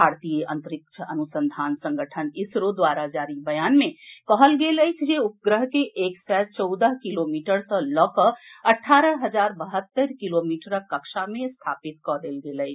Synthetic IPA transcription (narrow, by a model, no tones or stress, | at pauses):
bʱaːɾt̪ijəʔə̃nt̪əɾɪk̚t͡ʃʰəʔənusə̃nd̪ʱaːnsə̃ŋɡəʈʰənɪsɾod̪waːɾad͡ʒaːɾibəjaːnmẽkɔɦəlɡeləjt͡ʃʰd͡ʒeʊp̚ɡɾəɦkeʔeːksɛt͡ʃɔʊd̪əɦkilomiːʈəɾsə̃lɔːkəəʈʰaːɾəɦəd͡ʒaːɾbəɦət̪ːəɾkilomiːʈəɾəkːəkʃamẽst̪ʰaːpɪt̪̚kɔd̪eːlɡeːləjt͡ʃʰ